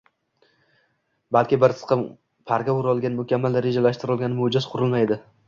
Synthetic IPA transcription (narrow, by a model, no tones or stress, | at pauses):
balkʲɪbɪɾt̪ʰɨsqʰɑ | pʰaɾɡʲaʊɾɒlˠɡʲanmʊkʲamːalɾed͡ʒalaʃt̪ɪɾɒlˠɡʲanɪmʊd͡ʒɪz̥qʰʊɾɪlmajd̪ɪ